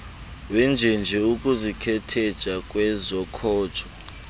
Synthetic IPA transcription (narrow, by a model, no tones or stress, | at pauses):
wɛnd͡ʒʱɛnd͡ʒʱɛukʼuzikʰɛtʰɛd̥ʒ̥ʱʼakʼwɛzɔkʰɔːd̥ʒ̥ʰʱʼɔ